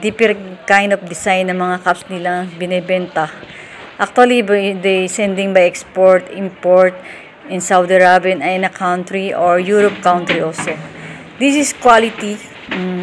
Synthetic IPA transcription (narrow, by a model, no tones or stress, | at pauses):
d̪ipɛɾkajnd̪ɔfd̪ɪsajnːɐŋmɐŋakapsnɪlaŋbɪnɛbɛnt̪ɐ | ʔak̚t̪uɐlibd̪ejsɛ̃nd̪ɪ̃ŋbajɛkspoɹt̪impoɹt̪̚ | ɪ̃nsawd̪iɹabinɐjɪ̃nɐkʰawnt̪ɾiʔoɹjuɾop̚kawnt̪ɾiʔolso | d̪isɪskwalɪt̪i